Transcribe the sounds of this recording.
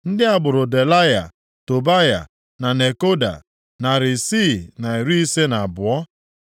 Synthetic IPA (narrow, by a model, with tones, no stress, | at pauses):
n̩˦dɪ˦a˦˨ɡ͡bʊ˨ɾʊ˨de˨la˦ja̰˨ | to˨ba˦ja̰˨ | na˨ne˨ko˦da̰˨ | na˨ɾɪ˨si˦˨na˨i˨ɾi˦i˦se˦na˨bʊ˨ɔ˦